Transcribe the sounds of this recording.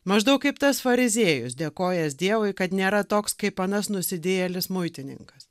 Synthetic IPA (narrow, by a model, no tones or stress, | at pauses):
mɐʒd̪ɐʊkkɐɪpt̪ɐsfɐɾʲɪzʲeɛjʊsd̪ʲeːkoːjɛsd̪ʲiɛʋʊɪkɐt̪nʲeːɾɐt̪oːkskɐɪpɐːnɐsnʊsʲɪd̪ʲeːjɛlʲɪsmʊɪt̪ʲɪnʲɪ̰ŋkɐs